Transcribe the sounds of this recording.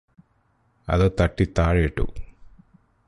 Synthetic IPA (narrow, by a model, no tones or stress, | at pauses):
ɐ̰ðot̪ɐʈːit̪aːɻejiʈːṵ